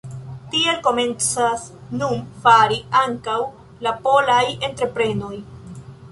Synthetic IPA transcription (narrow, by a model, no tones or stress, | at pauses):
tie̞lko̞me̞nt͡sasnunfaɾiaŋkaw | lapo̞laje̞ntɾe̞pɾe̞no̞j